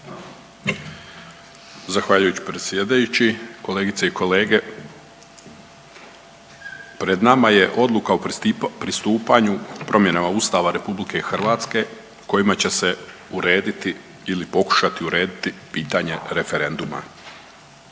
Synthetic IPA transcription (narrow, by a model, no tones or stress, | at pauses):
zaxʋaʎujut͡ɕi̥pɾet̪sjed̪ajut͡ɕiko̞le̞ːɡit̪seiko̞le̞ːɡe̞ | pɾe̞d̪namaje̞ʔo̞d̪lˠukaupɾist̪uːpaɲupɾʔo̞mje̞namauːst̪aʋaɾe̞publike̞ixrʋaːt̪ske̞ | ko̞jimat͡ɕe̞se̞uɾe̞ːd̪it̪i | ilipo̞ku̥ʃat̪iuɾe̞ːd̪it̪ipiːt̪aɲe̞ɾe̞fe̞ɾe̞nd̪uma̰